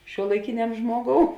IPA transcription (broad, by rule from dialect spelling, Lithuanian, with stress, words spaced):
ʃʲuɔlˠɐɪˈkʲɪnʲɛm ˈʒmuɔˌɡoːʊ